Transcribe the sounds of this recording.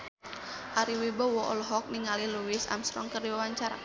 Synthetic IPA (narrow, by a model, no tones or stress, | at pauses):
ʔaɾiwibɔwɔʔɔ̰lɔɦɔk̚niŋaliluwɪsa̰msɾɔ̰ŋkərdiwawaɲt͡ʃaɾa̰